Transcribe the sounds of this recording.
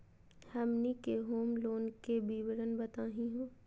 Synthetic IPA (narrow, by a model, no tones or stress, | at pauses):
hɐmnikeɦoːmloːnkebiʋɾənbət̪aːɦĩɦõː